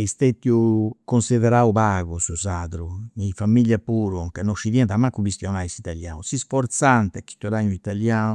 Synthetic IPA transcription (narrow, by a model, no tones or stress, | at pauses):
ist̪et̪ːjukonsiðɛɾaupaːɣusuzaðɾunifamːiljapuːɾukanːoʃiðjɛnt̪amːakːubist̪jɔnaisit̪aljaːnusisfɔɾt̪sant̪ɛkːi̥t̪ːuɾaɲuit̪aljaːnu